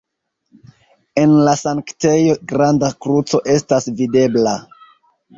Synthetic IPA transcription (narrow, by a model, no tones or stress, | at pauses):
e̞nlasaŋkte̞jo̞ɡɾandakɾut͡so̞ʔe̞stasvide̞bla